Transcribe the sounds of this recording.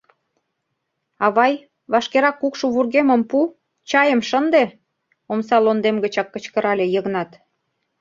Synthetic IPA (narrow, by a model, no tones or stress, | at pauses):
ɑβɑj | βɑʃkeɾɑkːukʃuβurɣemə̆mpu | t͡ɕɑjəmʃənd̪e | omsɑlond̪emɡət͡ɕɑkːə̆t͡ɕkəɾɑlʲejəɣnɑt̪